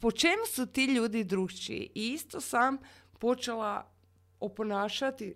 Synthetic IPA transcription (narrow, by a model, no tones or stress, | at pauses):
po̞t͡ʃe̞musut̪iːʎuːd̪id̪ɾuːʃt͡ʃḭḭʔiist̪o̞sam | po̞t͡ʃela | oponaːʃat̪i